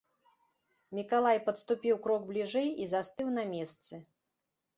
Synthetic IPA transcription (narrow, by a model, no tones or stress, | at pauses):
mʲikalˠajpɐt̪st̪upʲiwkɾɔɡ̚blʲiʐɛjizast̪ɨwnɐmʲɛst̪sɨ